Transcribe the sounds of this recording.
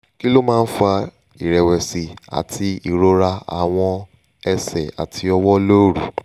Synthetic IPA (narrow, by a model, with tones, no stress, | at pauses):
ki˦lo˦mãː˦n̩˦fa˧ | i˨ɾɛ˨wɛ˨si˨a̰˨tʰi˧i˦˨ɾo˦ɾa˧a̰˨w̃ɔ̃˧ | ɛ˧sɛ˨a̰˨tʰi˧ɔ˧wɔ˦lo˦˨ɾu˨